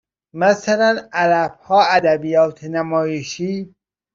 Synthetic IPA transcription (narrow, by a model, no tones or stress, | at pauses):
mæsælænæɾæbhɒːæd̪æbijɒːt̪ʰenæmɒːjeʃiː